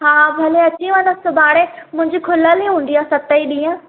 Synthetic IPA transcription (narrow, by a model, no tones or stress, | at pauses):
ɦaːbʱɐleɐt͡ɕĩʋə̃nd̪əsʊbaːɽemʊ̃ɦɪ̃ɲ̆d͡ʑikʰʊləliɦũːn̆d̪ijasɐt̪əiɗĩːə̃